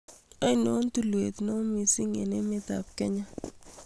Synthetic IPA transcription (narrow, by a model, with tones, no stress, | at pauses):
ɔ˦ɪ˦no˦n˦tu˦lwe˨t̪no˦mi˨si˦ŋe˨ne˦mɪ˦t̪a̰˨p̚kɛ˦ɲa˦